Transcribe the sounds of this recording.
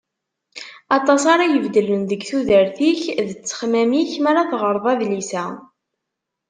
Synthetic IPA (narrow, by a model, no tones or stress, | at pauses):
ɑt̪ˤɑsɑɾˤɑjəvd̪ələnðəɡθuðəɾθiçðət͡sːə̥χmæmiçmæɾaθʁəɾˤðˤɑðlisæ